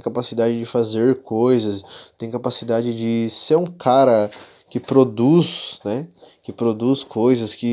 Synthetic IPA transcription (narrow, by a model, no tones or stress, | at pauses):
kapasid̪ad͡ʒɪd͡ʒɪfazeɾkojzɐst̪ẽj̃kapasid̪ad͡ʒɪd͡ʒɪseɾũkʰaɾɐ | kɪpɾod̪usnɛkɪpɾod̪uskʰojzɐskɪ